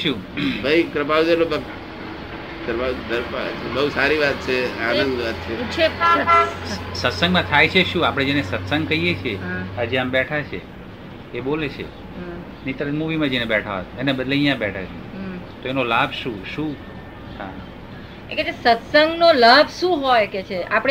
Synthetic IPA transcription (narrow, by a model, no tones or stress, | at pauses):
ʃũ | bʱaikɾəpaʋd̪ənobə | kɾəpad̪əɾpa̰t͡ʃʰbəusaɾiʋat̪̚t͡ʃʰeanə̃nd̪ʋat̪̚t͡ʃʰet͡ʃʰe | sət̪səŋɡmãt̪ʰajt͡ʃʰeʃũapəɽ̃ed͡ʒenesət̪səŋɡ̚kəijet͡ʃʰieəd͡ʒeambɛʈʰat͡ʃʰḛː | bolet͡ʃʰḛ | nit̪əɾənmuʋimãd͡ʒenebɛʈʰaʋa̰t̪enebəd̪leijãbɛʈʰat͡ʃʰṵ̃t̪oenolabʱʃũʃũ | hã̰ | eket͡ʃʰesət̪səŋɡnolabʱʃũɦojket͡ʃʰeapɽ